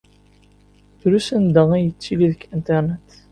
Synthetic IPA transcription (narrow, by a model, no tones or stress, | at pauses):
θɾusənd̪əʁæjət͡sːiliðəkːint̪eɾnet̪